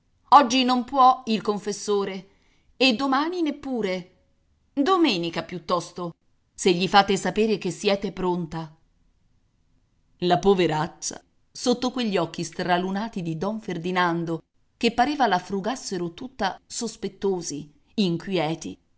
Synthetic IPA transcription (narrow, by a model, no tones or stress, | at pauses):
ɔd͡ʒːinompwɔilkoɱfesːoːɾeː | d̪omaːninepːuːɾe | d̪omɛːnikapjut̪ːɔst̪o | seʎːifaːt̪esapeːɾek̟esːjɛːt̪epɾont̪a | lapoveɾat͡ʃːa̰ | sot̪ːokweʎːiɔkːist̪ɾalunaːt̪id̪id̪ɔɱferd̪inand̪o | k̟epːaɾeːvalafɾuɡasːeɾot̪ut̪ːasospet̪ːoːzi | iŋkwjɛːt̪ḭ